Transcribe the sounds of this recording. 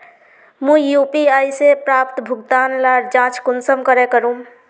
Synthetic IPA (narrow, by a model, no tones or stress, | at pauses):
mũjuːpiaːisepɾaːpt̪bʱʊɡd̪aːnlaːɾd͡ʒãːt͡ʃkʊnsəmkəɾẽkəɾũː